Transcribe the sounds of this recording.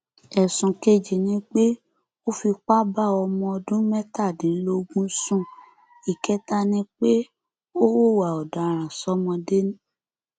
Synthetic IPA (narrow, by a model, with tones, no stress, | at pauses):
ɛ˨sũ˨ke˦d͡ʒi˨nĩ˨˦k͡pe˦ | o˦fi˧k͡pa˦ba˦˨ɔ˧mɔ̃˧ɔ˧dũ˦mɛ˦ta˦˨dĩ˨˦lo˦˧ɡũ˦sũ˦˨ | i˨kɛ˦ta˦nĩ˦k͡pe˦ | o˦wo˦˨wa˨ɔ˨da˨ɾ̃ã˨sɔ˦mɔ̃˧de˦nĩ˦